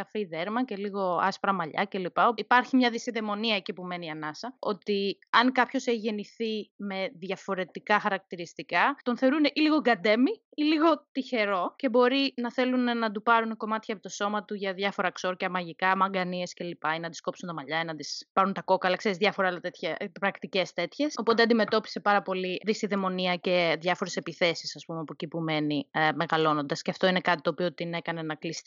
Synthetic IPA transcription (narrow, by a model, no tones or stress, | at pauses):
ɐfiðeɾmɐce̞liɣo̞ɐ̰spɾɐmɐʎɐ̰ce̞lipɐoipɐɾçimɲɐðisiðe̞mo̞niɐecipume̞niɐnɐsɐo̞̰t̪iɐŋkɐpço̞seçiʝe̞niθime̞ðʝɐfo̞ɾe̞t̪ikɐxɐɾɐk̚t̪iɾist̪ikɐt̪o̞nθe̞o̞ɾuneʔiliɣo̞ɡɐd̪e̞mi | iliɣo̞t̪içe̞ɾo̞ce̞bo̞ɾinɐθe̞lunenɐd̪upɐɾuneko̞mɐt̪çɐpit̪o̞so̞mɐt̪uʝɐðʝɐfo̞ɾɐkso̞ɾcɐmɐʝikɐmɐŋɡɐnie̞sce̞lipɐinɐt̪i̥sko̞psunt̪ɐmɐʎɐinɐd̪ispɐɾunt̪ɐko̞kɐlɐkse̞ɾizðʝɐfoɾɐlɐt̪et̪çɐpɾɐkt̪ice̞st̪e̞t̪çe̞so̞pot̪eɐnd̪ime̞t̪o̞pi̥se̞pɐɾɐpo̞liðisiðe̞mo̞niɐce̞ðʝɐfo̞ɾe̞se̞piθe̞sisɐspumeɐpo̞cipume̞nime̞ɣɐlo̞no̞nd̪ɐsceɐft̪o̞inekɐt̪i̥t̪o̞ːpio̞t̪ine̞kɐne̞nɐklist̪i